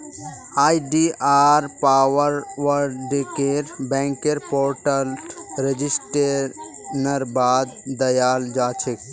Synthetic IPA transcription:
aːjɖiaːɾpaːʋəɾʋəɾɖekeɾbɛ̃ːŋkeɾpoːɾʈəlʈɾed͡ʒisʈe | nɐɾbaːd̪d̪ɐjaːld͡ʒaːt͡ʃʰek

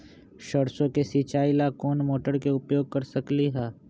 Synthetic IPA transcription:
ʃəɾsõkesiːt͡ʃaːilakoːnmoːʈəɾkeʊpjoːɡ̚kɐɾsɐkliɦɛː

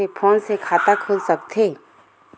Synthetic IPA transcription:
epʰõːnsekʰaːt̪akʰuːlsəkt̪ʰeː

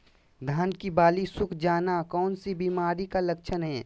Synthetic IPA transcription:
d̪ʱaːnkibaːlisʊkʰd͡ʒaːnakɔːnsibiːmaːɾikaləkʃʰənɦɛː

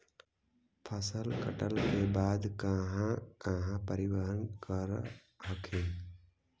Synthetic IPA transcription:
pʰəsəlkəʈəlkeːbaːd̪kãɦãkãɦãpəɾɪʋəɦənkəɾ | ɦəkʰen

